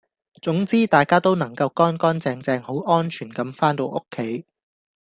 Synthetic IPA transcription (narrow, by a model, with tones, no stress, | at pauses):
t͡sʊ˨˥ŋt͡siː˥t̪aː˨jkaː˥t̪o˥wnɐ˨˩ŋkɐ˧wkɔː˥nkɔː˥nt͡sɛː˧ŋt͡sɛː˧ŋho˨˥wʔɔː˥nt͡ʃʰyː˨˩nkɐ˨˥mfaː˥nt̪o˧wʔʊ˥kʰːe˨˥j